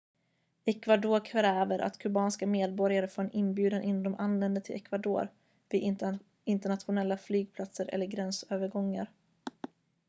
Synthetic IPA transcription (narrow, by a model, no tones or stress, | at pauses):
ɛkvad̪oːɾkʰɾɾɛːvəɾʔa̰t̪kʰɵbɑːnskameːd̪̚bɔɾjaɾəfoːɾɛnɪnbjʉ̟ːd̪ənʔɪnːɔmd̪ɔmʔanlɛnd̪ət̪ʰɪlɛ̰kvad̪o̰ːɾ | vɪ | ɪnt̪əɳat̪ɧʊnɛlːaflyːɡ̚pʰlat̪səɾʔɛ̰lːəɾɡɾɛnsøːvəɾɡɔŋːa̰ɾ